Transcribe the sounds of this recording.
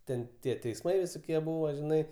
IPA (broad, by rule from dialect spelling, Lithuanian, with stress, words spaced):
ˈtʲɛn ˈtʲiɛ tʲɛɪsˈmɐɪ ʋʲɪsoːˈkʲiɛ ˈbʊʋoː ʒʲɪˈnɐɪ